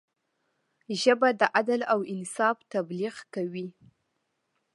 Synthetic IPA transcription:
ʒəbad̪əʔad̪alawɪnsɑft̪abliɣkawi

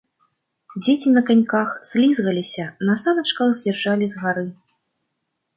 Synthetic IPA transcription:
d͡zʲet͡sʲinɐkanʲkaxz̥ʲlʲizɣɐlʲisʲɐnɐsamɐt͡ʂkɐxzʲlʲɛrʐalʲizɣaɾɨ

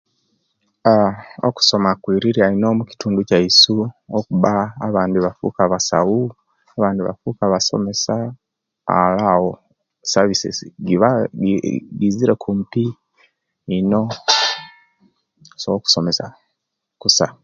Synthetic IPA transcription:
ao̰ku̥so̞makwiːɾiɾiainoːmuci̥tuːnducaisuokuβaːβaːndiβafṵkaβasa̰u | aβaːndiβa̰fukaβaso̞̰me̞sa̰ː | lawo | saβisḛɡia | ɡiziɾekʰumpiː | no | soku̥so̞me̞sa | kusa̰

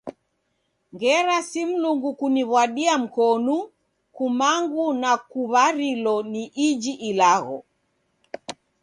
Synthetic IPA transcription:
ŋɡɛɾasim̩luŋɡukuniβwaɗiam̩kɔnu | kumaŋɡunakuβaɾilɔniʔid͡ʒiʔilaɣɔ̰

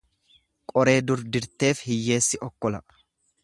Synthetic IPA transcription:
kʼɔɾe̞ːd̪ʊɾd̪ɪɾt̪e̞ːfhɪjːe̞ːsːɪʔɔkːɔlɐ

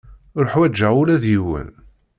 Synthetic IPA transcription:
ɾoħwæd͡ʒːæulæðjiwə̰n

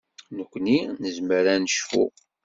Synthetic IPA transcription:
nəkʷːninəzməɾænəʃfṵ

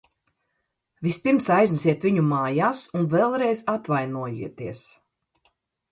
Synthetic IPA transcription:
vispiɾmsajznusiɛt̪viɲumaːjaːsunvɛlˠɾɛjzat̪vajnuɔjḭɛt̪iɛs

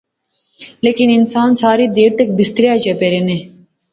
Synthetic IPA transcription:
leːkininsaːnsaːɾid̪eːɾt̪ɐk̚bist̪ɾijad͡ʒepeɾene

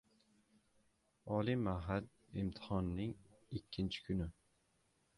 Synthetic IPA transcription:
ɒlˠimaɦal | ɪmt̪ʰɪ̥hɒnːɪŋɪkʲʰːɪnt͡ʃʰɪ̥kʰʊnɪ

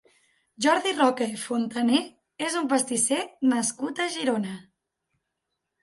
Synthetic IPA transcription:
ʒɔɾðirɔkeifont̪əne | ezumpəst̪isɛnəskut̪əʒiɾonə

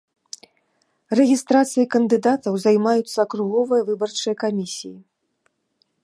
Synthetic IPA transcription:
rɛɣʲist̪ɾat̪sɨjɐkɐnd̪ɨd̪at̪ɐwzajmajut̪sːɐːkɾuɣɔvɨjɐvɨbɐrt͡ʂɨjɐkamʲisʲiji

